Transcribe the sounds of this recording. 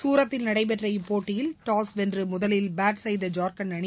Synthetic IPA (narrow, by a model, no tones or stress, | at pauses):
suːɾɐt̪ːɪlnɐɽɐɪp̬ɛʈrɐɪpːoːʈːɪjɪlʈaːsʋɛndrɯmʊðɐlɪlbaːʈsɐjðɐd͡ʒaːɾkɐnɐɳɪ